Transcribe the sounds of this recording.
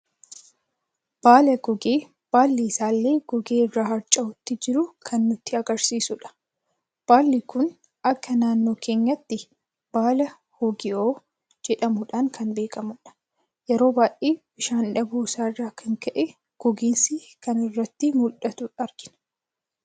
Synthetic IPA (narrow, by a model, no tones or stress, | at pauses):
b̥aːlɐɡɔɡeː | b̥aːlːiɪsaːlːe̞ːɡ̥ɔɡeːɪrːaːhɐɾt͡ʃʼɐʊt̪ːɪd͡ʒɪɾʊkʰɐnːʊt̪ːɪɐɡɐɾsiːsʊᶑɐ̥ | b̥aːlːikʊn | ɐkːɐnaːnːo̞ːkʰe̞ːɲːɐt̪ːɪ | b̥aːlɐ | hoɡɪoː | d͡ʒɛᶑɐmʊᶑaŋkʰɐnbe̞ːkʼɐmʊᶑɐ̥ | jɛɾo̞ːbaːʔʔʼeːbɪʃaːnᶑɐbuːsaːɪrːaːkʰɐŋkɐʔɛ | ɡ̥ɔɡɪnsi | kɐnɪrːɐt̪ːɪmʊlʔɐt̪ʊᶑɐɾɡɪnɐ̥